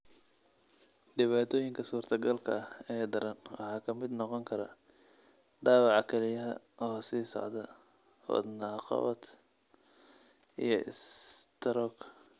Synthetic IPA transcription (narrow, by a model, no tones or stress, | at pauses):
ɖɪβaːt̪ʰɔːjɪŋkʰɐsuːrt̪ʰɐɡɐlkʰɐɐhɛːd̪ɐɾɐnwɑ̰ħɑːkʰɐmɪd̪nɔqɔŋkʰɐɾɐ̰ | ɖaːwɑʕɑkʰɛlɪjɐɦɐ | ʔɔːhsiːsɔ̰ʕd̪ɐ | hɔ̰d̪nɑːqɑ̰βɐd̪ | ʔijɞʔɪ̰st̪ʰɐɾɔːk